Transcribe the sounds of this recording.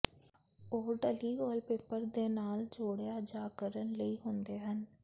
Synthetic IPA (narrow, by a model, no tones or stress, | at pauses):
oːɖəliːbɔːlpeːpəɾd̪eːnaːld͡ʒoːɽejaːd͡ʒaːkəɾənləiːɦʊ̃nd̪eːɦən